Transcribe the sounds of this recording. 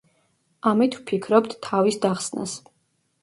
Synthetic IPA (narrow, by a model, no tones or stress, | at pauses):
amit̪ʰwpʰikʰɾɔb̚d̪t̪ʰːavisd̪aχsna̰s